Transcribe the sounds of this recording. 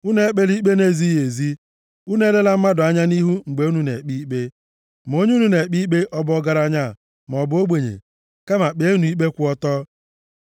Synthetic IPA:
u˦ne˦e˦k͡pe˦li˦k͡pe˦ne˦˨zi˦je˨zi˦ | u˦ne˦le˦la˦m̩˦ma˦dʊ˨a˦ɲa˦ni˦ɦu˦ŋ͡m̩˨ɡ͡be˨u˦nu˦nḛ˨k͡pi˦k͡pe˦ | m˨o˦ɲ˦u˦nu˦ne˨k͡pi˦k͡pe˦ʔɔ˦bɔ˦ɡa˦ɾa˦ɲa˦˨ | m˨ɔ˨bo˦ɡ͡bʷe˨ɲḛ˨ | ka˦ma˨k͡pe˨˦nu˨i˦k͡pe˦kʷu˦ɔ˦tɔ˦

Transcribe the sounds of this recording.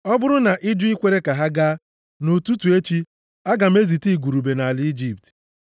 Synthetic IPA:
ɔ˦bʊ˦ɾʊ˦na˨ʔɪ˦di˦kʷe˦ɾe˦ka˨ɦa˦ɡa˦ | nu˨tu˦tu˨e˦t͡ʃi˦ | a˦ɡa˨m̩˦e˦zi˨ti˦˨ɡu˨ɾu˨be˨na˨a˨lɪ˦i˦d͡ʒi˦p̚t

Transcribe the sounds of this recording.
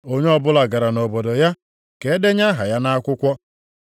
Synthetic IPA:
o˦ɲe˦ɔ˦bʊ˦la˨ɡa˨ɾa˨no˨bo˨do˨ja˦ | ke˨e˦de˦ɲa˦ɦa˨ja˦na˦kʷʊ˦kʷɔ˦

